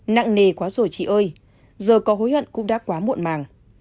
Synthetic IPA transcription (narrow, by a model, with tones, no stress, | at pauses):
na̰ː˧˨ŋne˨˩kwaː˨˦zo˧˩t͡ɕḭ˧˨ʔəː˧j | zəː˨˩kɔ˨˦ɦo˨˦jhwə̰˧˨nkʊ̰˧˥ŋ͡mɗa̰ː˧˥kwaː˨˦mṵ˧˨ənmaː˨˩ŋ